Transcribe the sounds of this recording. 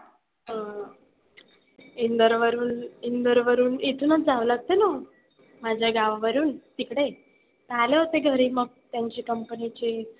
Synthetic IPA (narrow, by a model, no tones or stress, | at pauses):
ɦə | ind̪əɾʋəɾuːnind̪əɾʋəɾuːnet̪ʰuːnət͡sd͡zaʋulaɡ̚t̪eno | mad͡ʑʱjaɡaʋaʋəɾuːnt̪ikɽe | t̪əaleɦot̪eɡʱəɾiːməɡ̚t̪jaɲt͡ɕekəmpənit͡ɕe